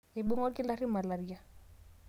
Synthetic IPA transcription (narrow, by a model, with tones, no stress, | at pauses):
e˨ɓu˦ŋɔ˦ki˦laɾi˦ma˨laɾia˨